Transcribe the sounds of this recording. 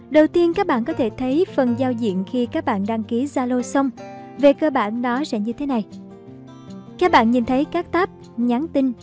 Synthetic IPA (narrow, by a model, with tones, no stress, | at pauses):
ɗə˨˩wt̪i˧ənkaː˦˥k̚ɓa̰ː˧˨nkɔ˨˦t̪ʰe˧˩t̪ʰə˨˦jfə˨˩nzaː˧wzḭ˧˨ənxi˧kaː˦˥k̚ɓa̰ː˧˨nɗa˧ŋki˨˦zaː˧lo˧sə˧wŋ͡m | ve˨˩kəː˧ɓa̰ː˧˨nɗɔ˨˦sɛ̰˧˥ɲɨ˧t̪ʰe˨˦na˨˩j | kaː˦˥k̚ɓa̰ː˧˨nɲi˨˩nt̪ʰə˨˦jkaː˦˥k̚t̪aː˦˥p̚ | ɲa˨˦nt̪ï˧n